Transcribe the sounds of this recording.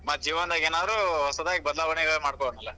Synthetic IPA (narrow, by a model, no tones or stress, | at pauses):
mɐt̪d͡ʒiːʋɐnd̪aːɡeːnaːd̪ɾuɔsɐd̪aːɡebɐd̪laːʋɐɳiɡmaːɽkoɐɳɐlːɐ